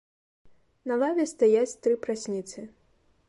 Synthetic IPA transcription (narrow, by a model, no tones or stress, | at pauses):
nɐlˠavʲɛst̪ajat͡sʲt̪ɾɨpɾasʲnʲit̪sɨ